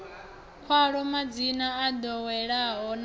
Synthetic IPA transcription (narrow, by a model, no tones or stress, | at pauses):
kʰwaɺɔmad͡zinaːd̪ɔwɛɺaɦɔn